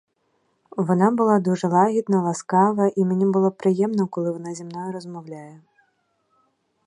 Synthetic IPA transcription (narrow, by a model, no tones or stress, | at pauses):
vanabɨlˠad̪uʐɐlˠaɣʲid̪nɐlˠaskavɐʔimʲnʲɛbɨlˠɔpɾɨjɛmnɐkɔlˠɨvanazʲimnɔjɛɾɐzmawlʲajɛ